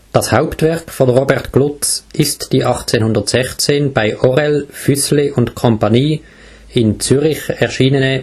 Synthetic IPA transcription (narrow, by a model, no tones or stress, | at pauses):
d̥ɑshaʊptvɛɐkfɔnʁoːbɛʁtɡ̥lʊt͡sʔɪstd̥iːʔɑχt͡seːnhʊndətsɛχt͡seːnb̥aɪʔɔʁɛlfyslɪʔʊntkʰɔmpɑniː | ɪnt͡syʁɪçɛɐʃiːnənə